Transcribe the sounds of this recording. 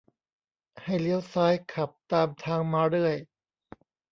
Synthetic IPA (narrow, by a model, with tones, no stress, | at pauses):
ha˥˩jli˦˥əwsaː˦˥jkʰa˨˩p̚t̪aː˧mt̪ʰaː˧ŋmaː˧ɾɯ˥˩əj